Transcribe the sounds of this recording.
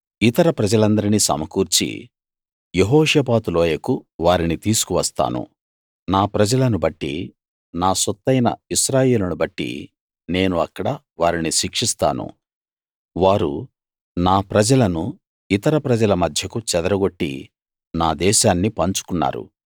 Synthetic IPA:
it̪ɐɾɐpɾɐd͡ʒɐlɐnd̪ɐɾinisɐ̰mɐkuːɾt͡ʃḭ | jeɦɔːʂɐːpaːt̪uloːjɐkuʋaːɾinit̪iːsu̥kuʋɐst̪a̰ːnṵ | naːpɾɐd͡ʒɐlɐnubɐʈːḭ | naːsɔt̪ːɐjnɐ̰iʃɾaːje̞ːlunubɐʈːḭ | ne̞ːnuɐkːɐɽɐ | ʋaːɾiniʃikʂist̪a̰ːnṵ | ʋaːɾṵ | naːpɾɐd͡ʒɐlɐnu | it̪ɐɾɐpɾɐd͡ʒɐlɐmɐd̪ʱjɐkut͡ʃɛd̪ɐɾɐɡo̞ʈːḭ | naːd̪ɛːʃaːnːipɐɲt͡ʃu̥kunːa̰ːɾṵ

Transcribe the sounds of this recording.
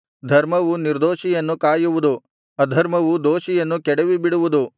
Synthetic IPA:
d̪ʱɐɾmɐʋuniɾd̪oːʃijɐnːukaːjuʋud̪u | ɐd̪ʱɐɾmɐʋud̪oːʃijɐnːukɛɽɛʋibiɽuʋud̪u

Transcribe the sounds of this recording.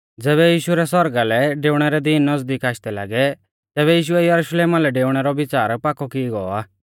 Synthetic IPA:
d͡zɛːβɛjiːʃuɾɛsɔɾɡalɛɖeːʊɽ̃ɛɾɛd̪inːɐzd̪ikaːʃd̪ɛla̰ːɡɛ | t̪ɛːβɛjiːʃʊɛjɐɾuʃleːmalɛɖeːʊɽ̃ɛɾɔbɪt͡saːɾpakɔkiɡɔaː

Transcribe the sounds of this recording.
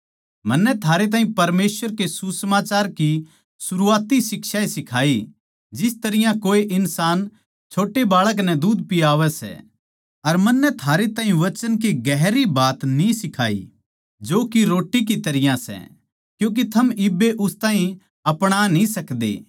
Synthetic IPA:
mɐnːɛt̪ʰaːɾet̪̬aːɦĩpɐɾmeːsʋəɾkesusɐmaːt͡ʃaːɾki | sʊɾuaːt̪isɪkʃaːesɪkʰaːi | d͡ʒɪst̪ɐɾɪjãkoːeʔɪnsaːn | t͡ʃʰoːʈebaːɭək̬nɛ̃d̪uːd̪̚pɪaːʋɛsɛ̰ | ɐɾmɐnːɛt̪ʰaːɾet̪ãːɦĩʋɐt͡ʃənkiɡɛɦɾibaːt̪nĩsɪkʰa̰ːḭ | d͡ʒoːkiɾoːʈik̬it̪ɐɾɪjãsɛ̰ | kjũːk̬it̪ʰɐmɪbːeʔʊst̪aːɦĩ | ɐpɽ̃anĩsɐkd̪ḛː

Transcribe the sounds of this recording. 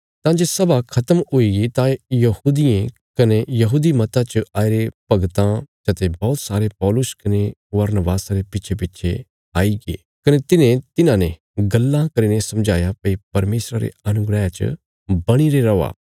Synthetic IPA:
t̪ãd͡ʒesɐbakʰɐt̪əmoiɡit̪ãjɐhuːd̪ijẽ | kɐnejɐɦuːd̪imɐt̪at͡ʃaːiɾepɐɡt̪ãd͡ʒɐt̪ebɔːt̪saːɾepɔːlʊskɐneʋɐɾnəbaːsaɾepɪtːʃʰep̬ɪtːʃʰe | aːiɡḛː | kɐnet̪ɪnẽt̪ɪnãnẽ | ɡɐlːãkɐɾiːnesɐ̃md͡ʒʱaːjapɐipɐɾmeːsɾaɾḛɐnʊɡɾəɦjãt͡ʃə̰ | bɐɽ̃iɾeɾɐa̰ː

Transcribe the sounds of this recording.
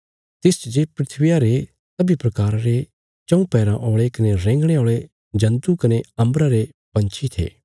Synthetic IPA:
t̪ɪst͡ʃd͡ʒeːpɾɪt̪ʰʋɪjaɾe | sɐbʱipɾɐkaːɾaɾe | t͡ʃɐ̃ũpɛːɾãʔoːɭekɐneɾɛ̃ːŋɡɽ̃eoːɭe | d͡ʒɐ̃nt̪ukɐneɐ̃mbɾaɾe | pɐ̃nt͡ʃʰit̪ʰḛː

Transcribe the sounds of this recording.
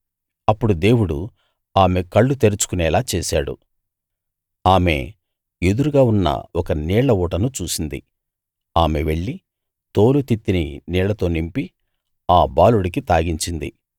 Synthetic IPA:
ɐpːuɽud̪e̞ːwuɽṵ | aːme̞kɐɭːut̪e̞ɾut͡ʃu̥kunɛːlaːt͡ʃeːsaːɽṵ | aːme̞̰ | ed̪uɾuɡaːunːɐ̰ɔkɐniːɭɐuːʈɐnut͡ʃuːsind̪ḭ | aːme̞ʋe̞ɭːi | t̪o̞ːlut̪it̪ːininiːɭɐt̪o̞ːnimpi | aːbaːluɽik̬it̪aːɡiɲt͡ʃind̪ḭ

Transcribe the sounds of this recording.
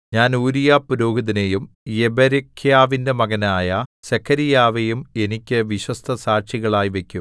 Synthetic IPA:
ɲaːnuːɾijaːpːuɾoːɡɐðinejum | jebɐɾekʰjaːʋindemɐɣɐnaːjɐsekʰːɐɾijaːʋejume̞nikʲːɨʋiɕwɐst̪ʰɐsaːʂiɣɐɭaːjiʋe̞kʲːum

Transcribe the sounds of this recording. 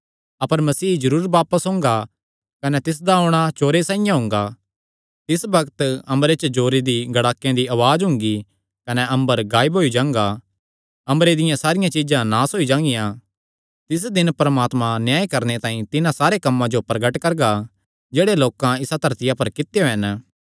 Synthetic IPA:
ɐpəɾmɐsiːd͡ʒɐɾuːɾbaːpəsɦʊ̃ːŋɡa | kɐnɛt̪ɪs̬d̪aɔɽ̃at͡ʃoːɾesãːɪjãɦʊ̃ːŋɡa | t̪ɪsbɐkt̪ɐ̃mbɾet͡ʃəd͡ʒoːɾed̪iɡɐɽaːkːjẽd̪iɐʋaːd͡ʒɦʊ̃ŋɡi | kɐnɛʔɐ̃mbəɾɡaːɪbɦoːid͡ʒãːŋɡa | ɐ̃mbɾed̪ɪjãsaːɾɪjãt͡ʃid͡ʒãnaːsoːid͡ʒãːŋɡɪjã | t̪ɪs̬d̪ɪnpɐɾəmaːt̪mãnjaːikɐɾnet̪ãːĩt̪ɪnãsaːɾekɐmːãd͡ʒopɾɐɡəʈkɐɾɡa | d͡ʒeːɽeloːkãɪsat̪ɐɾt̪ɪjapɐɾkɪt̪joɦɐn

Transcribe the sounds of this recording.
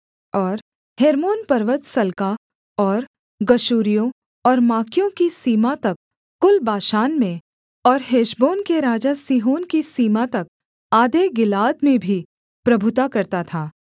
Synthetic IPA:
ɔːɾ | heːɾmoːnpɐɾʋət̪sɐlka | ɔːɾ | ɡɐʃuːɾijõ | ɔːɾmaːkjõkisiːmat̪ɐkː | ʊlbaːʃaːnmẽ | ɔːɾɦeːʃboːnkeɾaːd͡ʒasiːɦoːnkisiːmat̪ɐk̚ | aːd̪eɡɪlaːd̪mẽbʱi | pɾɐbʱʊt̪akɐɾt̪at̪ʰaː

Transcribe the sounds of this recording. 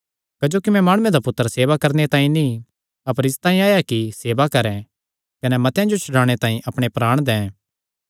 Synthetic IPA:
kɐd͡ʒoːkimɛ̃maːɽ̃ʊẽd̪apʊt̪ːəɾseːʋakɐɾnet̪ãːĩnĩ | ɐpəɾɪst̪ãːĩaːjakiseːʋakɐɾɛ̃ | kɐnɛmɐt̪jãd͡ʒot͡ʃʰʊɽãːɽ̃et̪ãːĩʔɐpɽ̃epɾaːɽ̃d̪ɛ̃ː

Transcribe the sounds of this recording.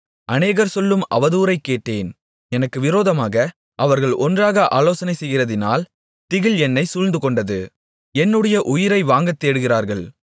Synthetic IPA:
ʔɐneːɣɐɾsɔlːɯmʔɐ̰ʋɐðuːɾɐɪkːeːʈːeːn | ɛnɐkːɯʋɪɾoːðɐmaːɣɐ | ʔɐʋɐɾɣɐɭʔɔndraːɣɐʔa̰ːloːsɐnɐɪsɛjɣɪrɐðɪna̰ːl | t̪ɪɣɪlɛnːɐɪsʊɻnd̪ɯkɔɳɖɐðɯ | ɛnːɯɽɐjɐʔʊjɪɾɐɪʋaːŋɡɐt̪ːeːɽɯɣɪɾaːɾɣɐɭ

